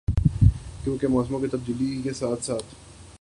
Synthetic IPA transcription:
kjõːkemɔːsmõket̪ɐb̚d̪iːlikesaːt̪ʰsaːt̪ʰ

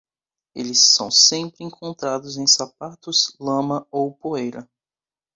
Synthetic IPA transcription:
elɪsːɐ̰̃w̃sẽmpɾɪẽŋkʰõnt̪ɾad̪ʊzẽj̃sapat̪ʊzlɐ̃mɐowpoejɾɐ

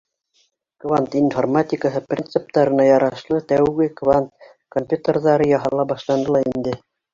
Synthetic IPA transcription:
kvant̪informat̪ʲɪkəɦɤprʲint̪sɨp̚t̪ɑɾɤ̆nɑjɑɾɑʃlˠɤt̪æwɡɘkvant̪̚ | kompʲjut̪ərðɑɾɤjɑɦɑlˠɑbɑʃlˠɑnd̪ɤ̆lˠɑind̪ɘ

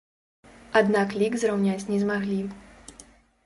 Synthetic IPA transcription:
ad̪naklʲiɡzrɾawnʲat͡sʲnʲɛzmaɣlʲi

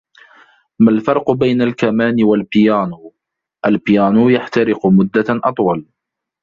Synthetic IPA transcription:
malfɑɾˤqʊbajnalkamaːnɪwalpɪjaːnuː | ʔalpɪjaːnuːjaħt̪aɾɪqʊmʊd̪ːaʔɑt̪ˤwɑl

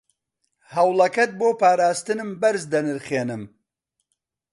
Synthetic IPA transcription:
hɐwlɐkɐt̪̚boːpaːɾaːst̪ɨnɨmbɐɾzd̪ɐnɨɾχeːnɨm

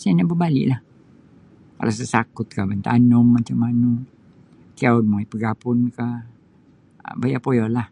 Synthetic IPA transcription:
saanaʔbəbalɪ̰ʔlah | ka̰las̬əsakʊt̪̚kamənt̪a̰nɔmːat͡ʃamanu | kiaunmuipəɡapʊnka | bajapojɔlah

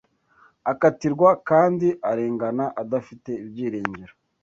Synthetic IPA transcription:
akatiɾɡwakaːndiʔaɾeːŋɡanaʔadafite̞ibjiːɾeːɲɟeɾa

